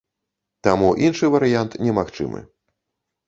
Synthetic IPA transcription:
t̪amuʔinʂɨvɐɾɨjant̪nʲɛmaxt͡ʂɨ̰mɨ̰

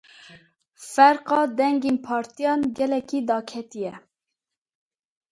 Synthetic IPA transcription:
fɛɾqɑːd̪ɛŋɡenpʰɑːɾt̪ijɑːnɡɛlɛkiːd̪ɑːkʰɛt̪ijɛ

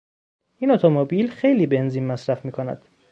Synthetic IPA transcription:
ʔiːnot̪ʰomobilxejliːbe̞nziːnmæsɾæfmiːkʰonæ̰d̪̥

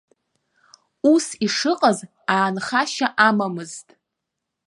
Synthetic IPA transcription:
usiʂɨqʼaz | aːnχaʃaʔamamɨztʼ

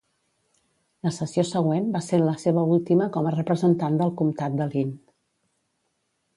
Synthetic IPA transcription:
ləsəsiosəɣwenbaseɾləseβəulˠt̪iməkɔmərəpɾəzənt̪and̪əlˠkumt̪at̪̚d̪əlin

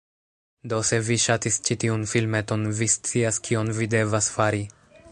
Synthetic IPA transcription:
do̞se̞viʃatist͡ʃitiunfilme̞to̞nvist͡siaskʰio̞nvide̞vasfaɾi

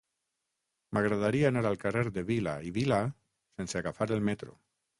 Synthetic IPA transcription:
maɣɾaðaɾiaenaɾalkareɾðeβila̰iβila | senseaɣafaɾelmet̪ɾo̰

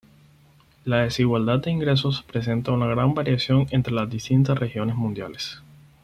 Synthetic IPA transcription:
laðe̞siɣwald̪ad̪̚d̪e̞iŋɡɾe̞s̬o̞spɾe̞s̬e̞nt̪aunaɣɾambaɾjasjo̞ŋe̞nt̪ɾe̞lazd̪ist̪int̪̬asre̞xjo̞ne̞zmũnd̪ja̰les

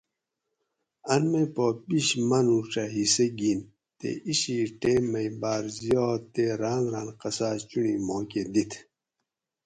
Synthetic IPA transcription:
ɐnmejpopiɕmɐnuʈ͡ʂaɦiseɡin | t̪ḛʔiɕiʈeːmɐjbaːɾzijoːt̪eɾaːnɾaːnqɐsaːt͡ɕunimoːked̪it̪ʰ

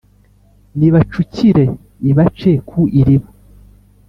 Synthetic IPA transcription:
niβat͡ʃuciɾe̞ | iβat͡ʃekʰuʔiɾiβo

